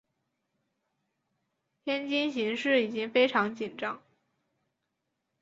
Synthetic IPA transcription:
p̪ʰjɛ˥nt͡ɕi˥nɕi˧˥ŋʂɻ̩˥˩i˨˩t͡ɕi˥ŋfe˥ɪʈ͡ʂʰɑ˧˥ŋt͡ɕi˨˩nʈ͡ʂɑ˥ŋ

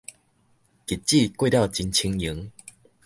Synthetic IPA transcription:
ki˨˩t̚t͡ɕi˥˧˨kwe˥˧ɾja˥˨ʊt͡ɕi˧nt͡ɕʰi˧ŋji˨˦ŋ

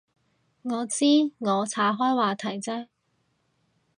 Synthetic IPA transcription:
ŋɔː˨˧t͡siː˥ŋɔː˨˧t͡sʰaː˨˥ɦɔː˥jwaː˨t̪ʰɐ˨˩jt͡sɛː˥

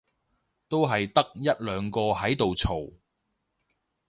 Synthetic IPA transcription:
t̪o˥wɦɐ˨jt̪ɐ˥k̚jɐ˥t̚lœː˨˧ŋkɔː˧hɐ˨˥jt̪o˨wt͡sʰo˨˩w

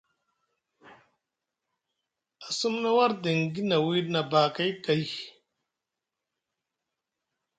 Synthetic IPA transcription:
a˨su˦mna˦wa˦ɾde˨ŋɡi˦na˨wi˦na˨baː˨ka˦jka˨j

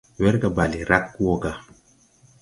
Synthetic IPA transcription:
wɛ˦ɾɡa˨ba˨li˨ɾa˦kwɔ˦ɡa˨

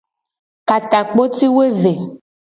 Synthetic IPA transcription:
ka˨t̪a˨k͡po˦t̪i˦we˦ve˨

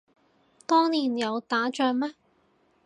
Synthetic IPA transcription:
t̪ɔː˥ŋniː˨˩njɐ˨˧wt̪aː˨˥t͡ʃœː˧ŋmɛ˥

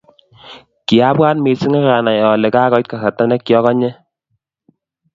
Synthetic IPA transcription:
ki˨a˦bwa˦nme˨si˦ŋa˦ɣa˨na˨jɔ˨le˨ka˦kɔ˦t̚ka˨sa˨ta˦nɛ˦kːjɔ˦kɔ˦ɲɛ˦

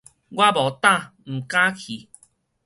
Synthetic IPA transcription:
ɡwa˦bɔ˨˩t̪a˥˨ | m̩˨˩ka˦kʰi˨˦

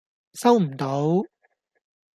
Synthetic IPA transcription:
sɐ˥wm̩˨˩t̪o˨˧˥w

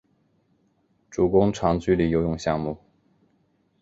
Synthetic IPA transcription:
ʈ͡ʂu˨˩kʊ˥ŋʈ͡ʂʰɑ˧˥ŋt͡ɕy˥˧li˥˩jo˧˥ʊjʊ˥˧ŋɕjɑ˥˧ŋmu˥˩

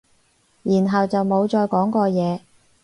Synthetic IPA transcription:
jiː˨˩nɦɐ˨wt͡sɐ˨wmo˨˧wt͡ʃɔː˧jkɔː˨˥ŋkɔː˧jɛː˨˧

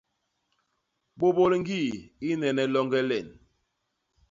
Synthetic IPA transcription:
ɓo˦bo˦lŋ̩˦ɡi˦˨i˦nɛ˨nɛ˨lɔ˦ŋɡɛ˦lɛ˨n

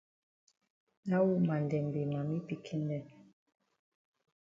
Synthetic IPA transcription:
na˦wu˦ma˨ndɛ˨m˨be˨ma˨mi˦pi˨kʰɛ˦ndɛ˦˨n

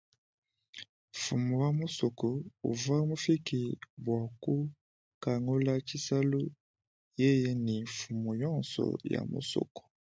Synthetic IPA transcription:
fu˨mo˨ja˨mo˦sɔ˨kɔ˨o̰˨va˦mo˦fi˦ki˨bwa˨ko˦ | ka˨ŋɡo˦la˦ki˦sa˦lo˦ | je˦je˦ni˨fu˨mo˨jɔ˦˨nsɔ̰˨ja̰˨mo̰˨sɔ̰˨kɔ̥˨

